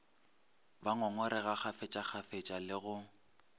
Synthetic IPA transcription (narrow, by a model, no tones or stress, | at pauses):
baŋɔŋɔɾɛɣak͡xafet͡ʃʼaχafet͡ʃʼalɪɣʊ